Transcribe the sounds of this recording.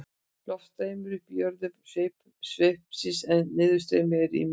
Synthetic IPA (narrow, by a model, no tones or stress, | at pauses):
plɔft̪ejmɪɾʏhpjœɾðʏsvejp | svehpsɪnsɛnːɪːðʏst̪eːjmɪɾḭ